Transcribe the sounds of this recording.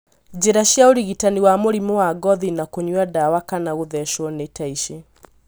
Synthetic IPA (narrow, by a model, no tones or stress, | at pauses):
d͡ʑeɾaʃjaoɾiɣitaniwamoɾimowaɡɔðinakoɲwadawakanaɣoðɛʃɔnetaiʃe